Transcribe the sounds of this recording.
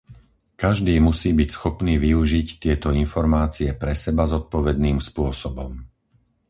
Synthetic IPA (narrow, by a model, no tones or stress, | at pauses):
kaʒd̪iːmusiːbicsxɔpniːʋiuʒict̪ɪɛt̪ɔinfɔɾmaːt͡siɛpɾɛsɛbazɔt̪̚pɔʋɛd̪niːmspʊɔsɔbɔm